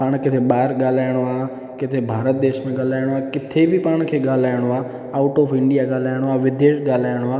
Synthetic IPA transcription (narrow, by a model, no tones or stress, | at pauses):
paːɽ̃kɪt̪ʰeɓaːɾɠaːl̤aːɪɽ̃oaː | kɪt̪ʰebʱaːɾət̪̚d̪eːʃmẽɠaːlaːɪɽ̃oaːkɪt̪ʰebɪpaːɽ̃kʰeːɠaːl̤aːɪɽ̃oaː | aːʊʈɔːfʰɪ̃ɳɖijaɠaːl̤aːɪɽ̃oaːʋɪd̪eːʃɠaːlaːɪɽ̃oaː